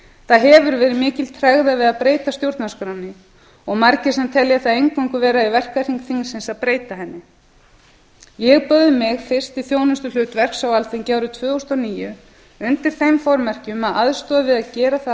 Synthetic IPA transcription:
θaðɦɛvʏɾvɛːɾɪmɪːcɪlt̪ʰɾɛɣðavɪðaðpɾeːjt̪ast̪jowɾt̪naskɾawnːɪ | ɔɣmaɾcɪsɛmt̪ʰɛlːjaθaðejŋkvaŋkʏvɛːɾaivɛr̥kar̥iŋkθiŋsɪnsaðpɾeːjt̪aɦɛnːɪ | jɛɣpœɣðɪmɪɣfɪr̥st̪iθjoːwnʏst̪ʏl̥ʏːt̪vɛr̥ksawaltθɪŋcaːwɾʏt̪ʰvœːɔst̪ɔniːjʏ | ʏnt̪ɪɾ̥θejmfɔɾmɛr̥cɪmaðaðst̪ɔːðvɪðaðcɛːɾaθa

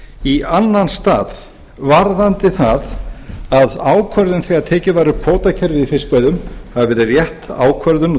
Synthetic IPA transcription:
ianːanst̪a̰ːð | vaɾðant̪ɪθaðaðaːwkʰvœɾðʏnθiaðt̪ʰɛːcɪvaːjɾʏkʰoːwt̪acʰɛɾvɪðfɪspœjðʏmhavavɛːɾɪrjɛht̪a̰ːwkʰvœɾðʏn

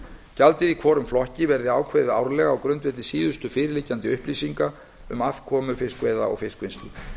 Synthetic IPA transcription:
calt̪ɪðikʰvɔːɾʏmflɔhcɪvɛɾðɪaːwkʰvɛːðɪaːwɾlɛɣaːwkɾʏnt̪vɪt̪lɪsiːðʏst̪ʏfɪːɾɪlɪcːant̪ɪʏhpliːsiŋka | ʏmafkʰɔːmʏfɪskvɛːða̰ɔ̰ɣfɪskvɪnst̪lɪ

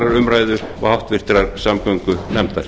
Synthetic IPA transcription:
ɾaɾʏmɾaːjðʏa̰hawht̪vɪr̥t̪ɾaɾsamkœɥŋkʏnɛmt̪aɾ

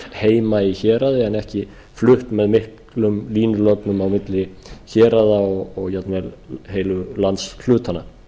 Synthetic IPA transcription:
heːjmaiçɛːɾaðɪɛnɛhcɪ | flʏht̪mɛðmɪhk | lʏmliːnʏlɔk̪nʏmawmɪt̪lɪ | çɛːɾaðaɔɣɔɣjat̪nvɛlɦeːjlʏlant̪skʰlʏːt̪ʰanːa

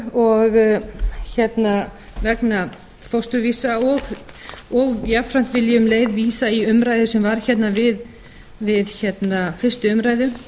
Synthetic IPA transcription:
ɔɣ | çɛt̪na | vɛkna | fɔst̪ʏɾviːsaɔɣ | ɔɣjapfɾaŋ̥kvɪljʏmleːjðviːsaiʏmɾaːjðʏsɛmvaɾ̥çɛt̪navɪð | vɪðçɛt̪nafɪr̥st̪ʏʏmɾaːjðʏ

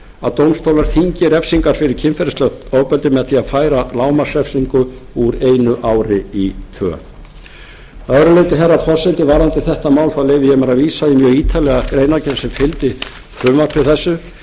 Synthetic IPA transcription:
a̰ðt̪owmst̪owlaɾ̥θiɲcɪɾɛfsiŋkaɾ̥fɪɾɪɾ̥cʰɪnfɛɾɪst̪œht̪oːwpœlt̪ɪmɛðθiaðfaːjɾalaːwmasɛfsiŋkʏuɾeːjnʏʔaːwɾɪit̪ʰvœ̰ː | œðɾʏlejt̪ɪɦɛrːafɔr̥sɪnt̪ɪvaːɾant̪ɪθɛht̪amaːwlθawleːjvɪjɛmɛɾaðviːsaimjœːɣiːt̪ʰalɛɣakɾeːjnacɛnsɛmfɪlt̪ɪ | fɾʏmvaɾpʰɪɾ̥θɛsːʏ

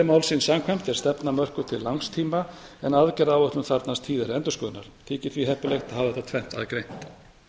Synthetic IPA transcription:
ɛmaːwlsɪnsaŋkʰvɛm̥t̪ɛ̥st̪ɛpnamœr̥kʏt̪ʰɪlːaŋst̪ʰiːmaɛnaðcɛɾawœht̪lʏmθaɾt̪nast̪ʰiːðɪɾɛnt̪ʏskœːðna̰ɾ̥t̪ʰiːcɪ̥θviɦɛhpʏlext̪aðhavðɛt̪at̪ʰvɛn̥t̪a̰ðkɾejn̥t̪

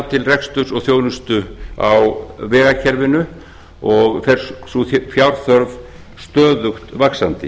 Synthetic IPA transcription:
t̪ʰɪlrɛkst̪ʏsɔɣθjoːwnʏst̪ʏa̰wvɛːɣacʰɛɾvɪnʏ | ɔɣfɛɾ̥ssuθfjawɾ̥θœɾv | st̪œːðʏxt̪vaksant̪ɪ̰

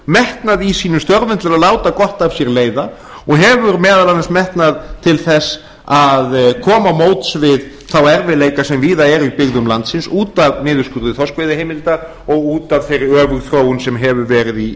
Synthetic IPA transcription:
mɛht̪naðisiːnʏmst̪œɾvɪnt̪lɪɾaðlaːwt̪akɔht̪avsjɛɾleːjða | ɔɣɦɛvʏɾmɛːðalanansmɛht̪naðt̪ʰɪlθɛs | aðkʰɔːmamoːwt̪svɪð | θawɛɾvɪleːjkasɛmviːðaɛɾipɪɣðʏmlant̪sɪnsuːt̪avnɪːðʏskʏɾðʏθɔskvejðɪhɦejmɪlt̪a | ɔɣuːt̪av̥θejɾɪœːvʏɣθɾoːwʏnsɛmɦɛvʏɾvɛːɾɪði

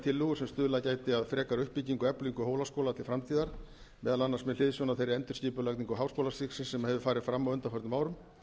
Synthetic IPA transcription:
t̪ʰɪlːʏɣʏsɛmst̪ʏːðlaðcaːjt̪ɪaðfɾɛːkaɾʏhpːiciŋkʏɛpliŋkʏɦoːwlaskowlat̪ʰɪlfɾamt̪ʰiːðaɾ̥ | mɛːðalanːaɾsmɛðlɪðsjɔnaθejɾɪɛnt̪ʏɾ̥ciːpʏlak̪niŋkɔɦaːwskowlasɪksɪnsɛmahɛvʏfaːɾɪðfɾamːawœnt̪afœɾt̪ʏmaːwɾʏm

